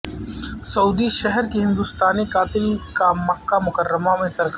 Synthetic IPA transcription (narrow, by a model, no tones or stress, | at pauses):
sɐuːd̪iʃɛɦɛɾkiɦɪ̃nd̪ust̪aːnikaːt̪ɪlkamɐkːamʊkəɾːəmamẽsɐɾk